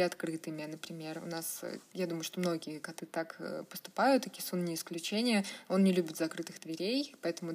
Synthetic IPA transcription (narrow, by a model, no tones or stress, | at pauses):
ɪɐt̪kɾɨt̪ɨmʲɪnəpɾʲɪmʲe̞rʊ̰nasjad̪uməjʊʂt̪o̞mno̞ɡʲɪjəkɐt̪ɨt̪akə̰pə̥st̪ʊ̥pajʊt̪ɨkʲɪ̥sunnʲɪɪsklʲʉt͡ɕenʲɪjəo̞nnʲɪlʲubʲɪt̪zɐkɾɨt̪ɨɣd̪vʲɪɾʲejpɐɛt̪əmʊ